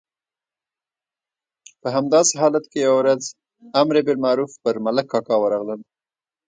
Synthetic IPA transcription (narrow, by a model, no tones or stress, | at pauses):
pəɦamd̪ɑseɦɑlat̪kejawɾaz | amɾebeɾmaɾufpəɾmaləkːɑkɑwəɾɑɣləl